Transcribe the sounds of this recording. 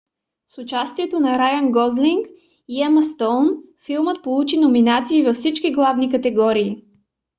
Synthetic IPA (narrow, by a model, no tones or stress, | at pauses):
sʊt͡ʃast̪iɛt̪onɐɾajənɡɔzliŋk | iɛməst̪ɔlnfilˠmət̪̚polˠut͡ʃinominat̪siːvɐfsit͡ʃkiɡlˠavnikɐt̪ɛɡɔɾiː